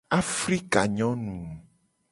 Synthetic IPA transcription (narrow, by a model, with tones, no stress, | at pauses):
a˦fɾi˦ka˨ɲɔ̃˦nũ˨